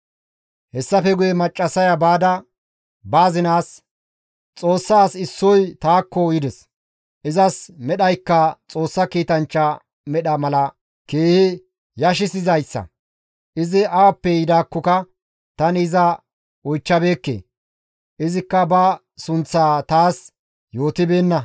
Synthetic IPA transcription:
hɛsːɐfɛɡʊjɛmɐt͡ʃʼːɐsɐjɐbaːd̪ɐ | baːzɪnaːs | t͡sʼo̞ːsːaːsɪsːɔjt̪aːkːɔjɪd̪ɛs | ʔɪzɐsmɛɗɐjkːɐt͡sʼo̞ːsːɐkiːt̪ɐnt͡ʃːɐ | mɛɗɐmɐlɐ | ke̞ːhɪ | jɐʃ̬ɪsɪzɐjsːɐ̰ | ʔɪzɪɐwɐpːɛjɪd̪aːkːɔkɐ | t̪ɐnɪɪzɐ | ɔjt͡ʃːɐbe̞ːkːḛː | ʔɪzɪkːɐbɐ | sʊnt͡sːaːt̪aːs | jo̞ːt̪ɪbe̞ːnːɐ

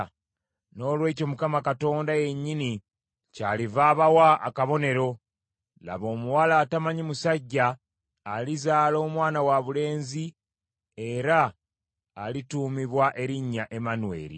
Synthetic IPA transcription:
no̞ːlwe̞ːco̞mukamakato̞ːndaje̞ɲːini | caːlivaːβawa̰ːkaβo̞ne̞ɾo̞ | la̰βo̞ːmuwalaːtamaɲimusaɟːaː | lizaːlo̞ːmwaːnawaβule̞ːnzi | e̞ɾaː | lituːmiβwaʔe̞ɾiɲːaʔe̞manuwe̞̰ːɾḭ

